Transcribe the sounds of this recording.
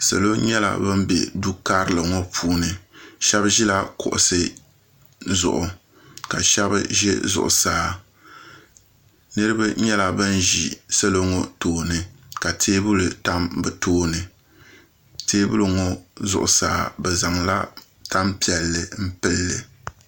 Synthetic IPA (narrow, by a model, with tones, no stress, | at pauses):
sa̰˨lo˦ɲɛ˦la̰˨bɨ˦m̩˦bḛ˨du˦ka˦ɾɨ˦˨lɨ˨ŋɔ˦pʰuː˦nɨ˨ʃɛ˦bʒi˦la˦kʊ̰˨ʔʊ˨sɨ˦ | zʊ̰˨ʔʊ˨ | ka˨ʃɛ˦bɨ˦ʒɛ̰˦zʊ̰˨ʔʊ̰˨saː˦ | nɨ˦ɾɨ˦bɨ˦ɲɛ˦la˨bɨ˦nʒi˨sɛ˦lo˦ŋɔ˦toː˨nɨ˨ka˨tʰeː˦bu˦lɨ˨ta˦mbɨ˨toː˦nɨ˨ | teː˦bu˦lɨ˨ŋɔ˦zʊ̰˨ʔʊ˨saː˨˦bɛ˨za˨ŋla̰˦ | ta˦mpi˨˦ɛ˨lːɨ˨m̩˦pɨ˦lːɨ˨